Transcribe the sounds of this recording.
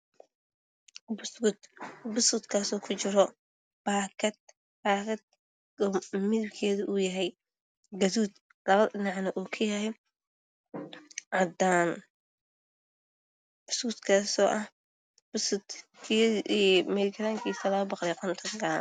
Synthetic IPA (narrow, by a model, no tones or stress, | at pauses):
bsʊt̪bʊsʊt̪kʰaːsɔːkʰʊt͡ʃɪɾɔ | b̥aːkʰɐt̪̚ | baːkɐd̪̚ | ɔmɪðɪbkʰɛːðʊʔʊjɐɦɛj | ɡɐðuːd̪ | lɐβɐðɐɖɪnɑʕnɐʔuːkʰɐjɐɦɛj | ʕɑd̪aːn | b̥ʊskʊt̪kʰaːsɔːʔɐh | b̥ʊsʊt̪kʰi | mɛɾɪkʰɐɾaːŋkʰiːsɐlɐːbɑqd̪ɛjqʰɔnt̪ʰɔnɡan